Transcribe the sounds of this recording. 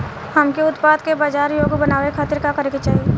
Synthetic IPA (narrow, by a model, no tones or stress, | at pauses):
hɐmkeʊt̪paːd̪kebaːd͡ʒaːɾjoːɡbɐnaːʋekʰaːt̪ɪɾkakɐɾeket͡ʃaːɦieː